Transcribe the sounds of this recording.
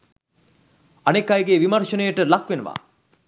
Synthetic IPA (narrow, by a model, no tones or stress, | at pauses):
ɐnekːajɡeʋimɐrʃənəjəʈəlakʋenəʋa̰ː